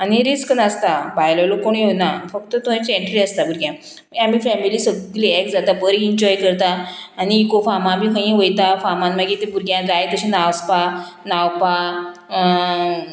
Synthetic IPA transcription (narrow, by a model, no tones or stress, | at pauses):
aniɾiskənəst̪abajləlokoɳ̃jenafəkt̪ət̪õĩt͡sẽɳʈɾiəst̪abʱuɾɡjã | mam̤ifɛmiliːsəɡɡliɛkd͡zat̪abəɾiiɲd͡ʑɔjkəɾt̪aːniːkofamãbiɦə̃j̃ẽʋəjt̪afamãnmaɡet̪ebuɾɡjãd͡zajt̪əɕĩnaʋspa | nawpa